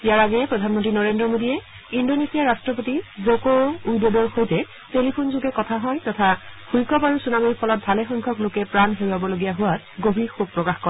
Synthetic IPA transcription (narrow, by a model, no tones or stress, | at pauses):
ijaɹaɡɛpɹɔdʱanmɔntɹinɔɹendɔmodiɛ | indonesijaɹastɹɔp̬otizokoujdɔdɔɹxojtɛ | telipʰunzuɡɛkɔtʰaɦɔjtɔtʰaxujkɔpaɹusunamiɹpʰɔlɔt̚bʱalɛxɔŋkʰɔklokɛpɹanɦeɹuabɔloɡijaɦʊwat | ɡobʱixub̚pːɹɔkaxkɔɹ